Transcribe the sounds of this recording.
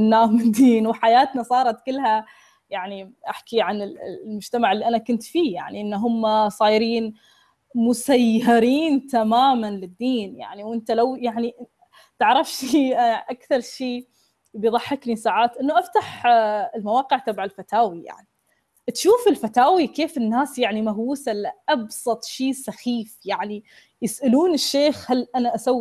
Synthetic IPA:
ɪnːaːhmɪnd̪iːnwħajaːt̪nasˤɑːɾˤɑt̪kɪlːha | jaʕniʔaħkiʕanɪlmʊd͡ʒt̪amaʕɪlːiʔanakʊnt̪fiːja̰ʕniʔɪnːɦʊmːasˤɑːjɾiːn | mʊsajːɑɾiːnt̪amaːmanlɪd̪ːiːnja̰ʕniwʔɪnt̪alawjaʕni | t̪ɪʕɾˤɑfʃiːʔakθɑɾˤʃiː | bijðˤɑħːɪknisaːʕaːt̪ʔɪnːaʔaft̪aħɪlmawɑːqɪʕt̪abʕalfat̪aːwija̰ʕni | t̪ʃuːfɪlfat̪aːwikeːfɪnːaːsjaʕnimaɦwuːsalaʔɑbsˤɑt̪ˤʃiːsɑxiːfjaʕni | jɪsʔaluːnɪʃːeːxhalːʔanaʔasawː

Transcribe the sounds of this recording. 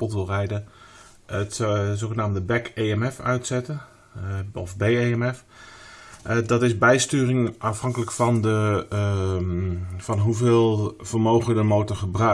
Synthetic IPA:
pɔtʋɪlˠrɛjdə | ətsoːxənaːmdəbɛkejɛmɛfœ̰ɥtsɛtə | ɔfbejeːɛmɛf | dɔtɪsbɛjstyːrɪŋafhɑŋkələkfɔndə | fɔnɦuvɪːlˠv̥ərmoːwɣədəmoːtəɹχəbrœ

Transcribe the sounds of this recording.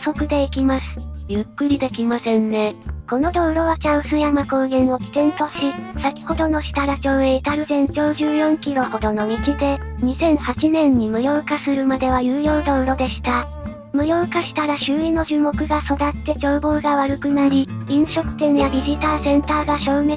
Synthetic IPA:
so̞kɯ̟d̪e̞ikʲimasɨ̥jɯ̟kːɯ̟ɾʲid̪e̞kʲimasẽ̞nne̞ko̞no̞d̪o̞ːɾo̞βat͡ɕãɯ̟̃sɨjamako̞ːɡẽ̞ɰ̃o̞kʲi̥t̪ẽ̞nt̪o̞ɕisakʲi̥ho̞d̪o̞no̞ɕi̥t̪aɾat͡ɕo̞ːẽit̪aɾɯ̟zẽ̞ɲd͡ʑo̞ːʑɨːjõ̞ŋkʲiɾo̞ho̞d̪ono̞ɲ̟it͡ɕid̪e̞ɲ̟isẽ̞ɰ̃hat͡ɕinẽ̞ɲ̟ːimɯ̟jo̞ːkasɨɾɯ̟mad̪e̞β̞ajɯ̟ːjo̞ːd̪o̞ːɾo̞d̪e̞ɕi̥t̪a | mɯ̟jo̞ːkaɕi̥t̪aɾaɕɨːino̞ʑɨːmo̞kɯ̟ɡaso̞d̪at̪ːe̞d͡ʑo̞ːbo̞ːɡaβaɾɯ̟kɯ̟naɾʲi | ĩɰ̃ɕo̞kɯ̟̥t̪ẽ̞ɰjad̪ʲiʑit̪aːsẽ̞nt̪aːɡaɕo̞ːme

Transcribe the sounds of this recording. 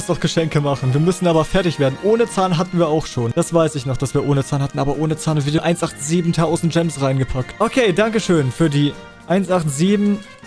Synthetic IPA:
sdɔχɡ̥əʃɛŋkəmaχn̩viːɐmʏsn̩ʔaːbɐfɛɐtɪçv̥eːɐdn̩ʔoːnət͡saːlnɦatn̩viːɐaʊxʃoːnd̥asv̥aɪsɪçnɔχd̥asv̥iːɐʔoːnət͡saːnhatn̩ʔaːbɐʔoːnət͡saːnviːdɐʔaɪnsʔaχtz̥iːbm̩tʰaʊzn̩td͡ʒɛmsʁaɪnɡəpʰak̚tʔokʰeːdaŋkəʃøːnfyːɐdiː | ʔaɪnsʔaχtz̥iːbm̩

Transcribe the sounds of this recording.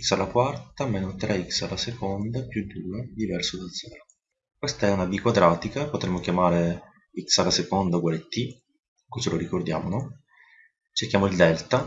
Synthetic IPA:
ksalːakwart̪amɛːnot̪ɾɛiksa̰lːasekond̪apjud̪uːɾad̪ivɛrsod̪az̥ɛːɾo | kwest̪aɛunab̪ikwad̪ɾaːt̪ikapot̪ɾemːokʲjamaːɾe | iksalːasekond̪aɡwalet̪ːi | kut͡ʃeloɾikord̪ja̰ːmono | t͡ʃerkʲːjaːmoild̪ɛlt̪a

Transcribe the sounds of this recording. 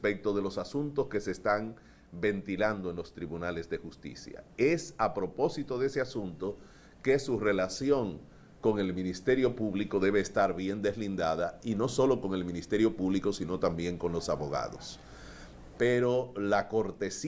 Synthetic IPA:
pe̞k̚t̪o̞ð̞e̞lo̞sasunt̪o̞ske̞se̞ːst̪aŋ | be̞nt̪iland̪oe̞nlo̞st̪ɾiβunale̞zðexust̪ḭsja̰esapɾo̞po̞sit̪o̞ðe̞se̞asunt̪o̞ | ke̞sure̞lasjo̞ŋ | ko̞ŋe̞lmĩnist̪e̞ɾjo̞puβliko̞ðe̞βe̞ːst̪aɾβje̞nd̪e̞slind̪aðaino̞so̞lo̞ko̞ŋe̞lmĩnist̪e̞ɾjo̞puβliko̞sino̞t̪ambje̞ŋko̞nlo̞saβo̞ɣa̰ðo̞s | pe̞ɾo̞lako̞ɾt̪e̞s

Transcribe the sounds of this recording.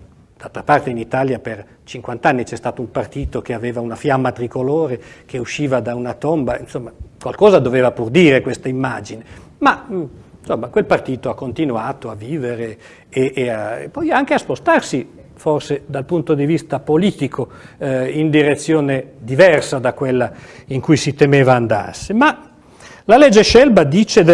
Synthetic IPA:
d̪̥alt̪ɾapart̪einit̪aːljaper | t͡ʃiŋkwant̪anːit͡ʃɛst̪aːt̪oumpart̪iːt̪ok̟eaveːvaunafjamːat̪ɾikoloːɾek̟euʃːiːvad̪aunat̪ombainsomːakwalkɔːzad̪oveːvapurd̪iːɾekwest̪aimːad͡ʒine | mansomːakwelpart̪iːt̪oakːont̪inuaːt̪oavːiːveɾeː | ʔːaḛpːɔjaŋk̟easpost̪arsi | forsed̪alpunt̪od̪ivist̪apoliːt̪ikʰo | ind̪iɾet̪sːjoːned̪ivɛrsad̪akːwelːaiŋkujsit̪emeːvaːnd̪a̰rsema | lalɛd͡ʒːeʃɛlbad̪it͡ʃed̪

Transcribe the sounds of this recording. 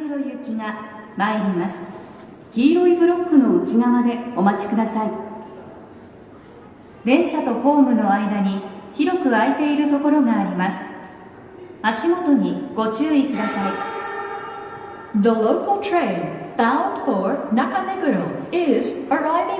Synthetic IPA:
ɯɾojɯkʲiŋa | maeɾʲimasɨ̥ | ɡ̥ʲiːɾo̞ibɯ̟ɾo̞kːɯno̞ɯ̟t͡ɕiɡaβad̪e̞o̞mat͡ɕi̥kɯ̟d̪asai | d̪ẽ̞ɰ̃ɕat̪o̞ho̞ːmɯ̟no̞aid̪aɲ̟içiɾo̞kɯ̟aet̪e̞iɾɯ̟t̪o̞ko̞ɾo̞ɡaːɾʲimasɨ̥ | aɕimo̞t̪o̞ɲ̟iɡ̥o̞t͡ɕɨːikɯ̟d̪asai | ðəloʊkalˠtʰɾẽɪ̃nb̥ãʊ̃nd̥foɹnakameɡɯɾoɪzəɹaɪvɪ̃

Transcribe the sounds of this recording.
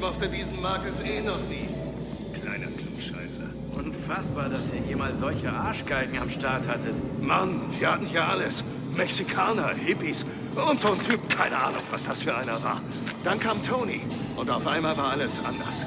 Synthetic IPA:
mɔχtədiːzn̩maɐkəsʔeːnɔχniː | kl̥a̰ɪnɐ̰kl̥uːkʃa̰ɪsə̰ | ʔʊnfasb̥aːɐdasiːɐhiːɐmaːlzɔlçəʔaɐʃɡ̥aɪɡŋ̩a̰mʃtaɐthatəmanviːɐhatn̩hiːɐʔaləs | mɛksikʰaːnɐhɪpis | ʔʊntz̥oːntʰyːpkʰaɪnəʔaːnʊ̰ŋv̥asd̥asfyːɐʔaɪnɐva̰ːɐ | d̥ankʰaːmtʰoʊnḭ | ʔʊntaʊfʔaɪnmaːlvaːɐʔaləsʔa̰ndɐ̰s

